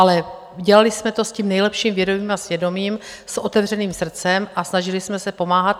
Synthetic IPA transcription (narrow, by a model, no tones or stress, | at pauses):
ʔalɛ | uɟɛlalɪsmɛt̪o̞sciːmnɛjlɛpʃiːmvjɛdoviːmasvjɛdo̞miːm | sʔo̞t̪ɛvr̝ɛniːmsr̩t͡sɛmʔasnaʒɪlɪsmɛsɛpo̞maːɦat̪